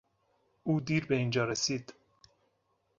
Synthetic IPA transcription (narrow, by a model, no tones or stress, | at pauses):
uːd̪iːɾbeiːnd͡ʒɒːɾesiːd̪̥